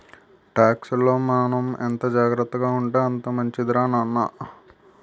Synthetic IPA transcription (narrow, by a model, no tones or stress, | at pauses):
ʈaːksuloːmaːnɐmḛnt̪ɐd͡ʒaːɡɾɐt̪ːɐɡaːuɳʈeɐnt̪ɐmɐɲt͡ʃid̪ɾaːnanːɐ̰